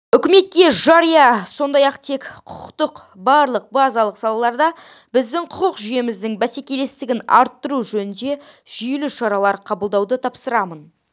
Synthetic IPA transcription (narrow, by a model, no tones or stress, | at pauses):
ʏkʲɪme̞t̪̚kʲe̞ʒɑɾijɑso̞nd̪ɑjɑqt̪ʰe̞kqʰʊ̥qqt̪əq | bɑɾlˠəq̚bɑzɑlˠəqsɑlˠɑlˠɑɾd̪ɑ | bɪzd̪ɪɴqʰʊqʰəqʒʏje̞mɪzd̪ɪŋbæse̞kʲe̞le̞st̪ɪɡʲɪnɑ̰ɾt̪ːəɾuʒɵnɪnd̪e̞ʒ̥ʏjelɪʃɑɾɑlˠɑɾqʰɑbəlˠd̪ɑwd̪ət̪ʰɑpsəɾɑmən